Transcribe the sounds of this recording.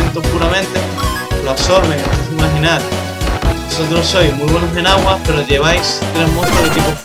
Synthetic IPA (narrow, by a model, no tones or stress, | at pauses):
ent̪opuɾamẽnt̪e̞ | loaso̞ɾβeŋet̪esuimaɦinaɾ | bosot̪ɾo̞so̞jzmujβwenose̞naɣwape̞ɾo̞ʝe̞β̞ajst̪ɾe̞ɦmost̪oðet̪ipo